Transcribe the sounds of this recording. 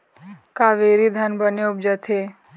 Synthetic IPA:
kaʋeɾid̪ʱanbənoub̚d͡ʒət̪ʰe

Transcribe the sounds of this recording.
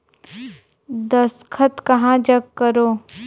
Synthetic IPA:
d̪ɐskʰət̪kɐɦãd͡ʒɐɡkəɾoː

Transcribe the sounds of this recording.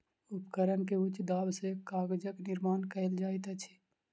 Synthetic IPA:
ʊpkəɾənkeʊt͡ʃd̪aːbsekaːɡd͡ʒəknɪɾmaːnkəɪld͡ʒaːit̪ət͡ʃʰi̥

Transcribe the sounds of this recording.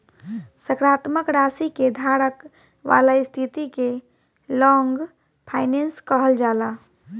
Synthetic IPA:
səkɾaːt̪məkɾaːsiked̪ʱaːɾək | ʋa̰ːlaist̪ʰit̪ike | lɔ̃ːŋɡ | pʰaːɪnenskəɦəld͡ʒaːla

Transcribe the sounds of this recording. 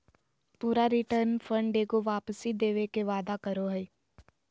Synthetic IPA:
puːɾaɾiʈəɾnfʰə̃ɳɖeːɡoʋaːpəsid̪eːʋekeʋaːd̪akəɾoɦɛi

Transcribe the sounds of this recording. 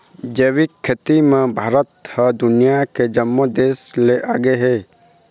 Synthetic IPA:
d͡ʒeʋikʰːet̪imẽbʱaːɾət̪həd̪ʊnijaked͡ʒəmːod̪eːsleʔaːɡeɦe

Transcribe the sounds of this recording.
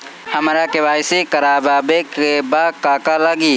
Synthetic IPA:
hɐmɾakeʋaːɪsikəɾaːbaːbekebaːkaːkalaɡiː

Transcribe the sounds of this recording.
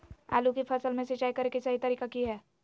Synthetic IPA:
ɛ̰ːlukipʰɐsəlmẽset͡ʃaːikɐɾekisaɦit̪ɐɾiːkakiɦɛː

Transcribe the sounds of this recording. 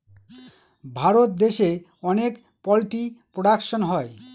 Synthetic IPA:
bʱaɾot̪̚d̪eʃe | ɔnek | pɔlʈipɾoɽakʃonɦɔe

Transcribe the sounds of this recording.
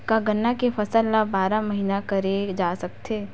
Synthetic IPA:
kaɡɐnːakefʰɐsəlːabaːɾamɐɦiːnakɐɾed͡ʒaːsɐk̚t̪ʰeː

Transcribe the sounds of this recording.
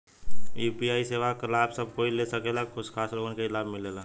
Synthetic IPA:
iːpiaːiseːʋakəlaːbsɐb̚koːilesəkeːlakʰʊʃkʰaːsloːɡonkeɪlaːbmɪleːlaː

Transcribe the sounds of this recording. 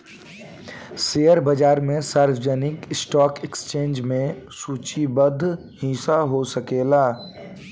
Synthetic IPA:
sejəɾbɐd͡ʒaːɾmẽsaːɾfd͡ʒənɪkɪsʈɔːkekst͡ʃẽːnd͡ʒmẽsuːt͡ʃibəd̪ʱː | hiːsaɦosəkeːlaː

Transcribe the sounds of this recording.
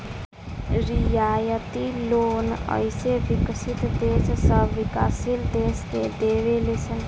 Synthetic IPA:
ɾijaːjət̪iloːnə̰jseʋɪkʃit̪d̪eːssəʋikaːsild̪eːsd̪ed̪eːʋelesən

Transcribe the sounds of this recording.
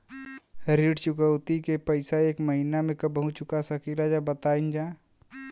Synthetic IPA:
ɾiɖt͡ʃʊkəwt̪ikepəɪsaeːkməɦinamẽkəbəɦut͡ʃʊkasəkilad͡ʒabət̪aind͡ʒaː

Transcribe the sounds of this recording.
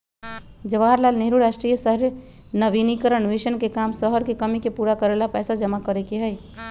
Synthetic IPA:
d͡ʒəʋaɾlalneɦɾuɾasʈɾijəsəɦɾ | nəbinikəɾəɳʋiʃənkekamsəɦəɾkekəmikepuɾakəɾelapɛːsad͡ʒəmakəɾɛkeɦəj

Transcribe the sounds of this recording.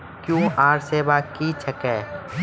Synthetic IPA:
kjuaːɾseːbakit͡ʃʰɐkɛː

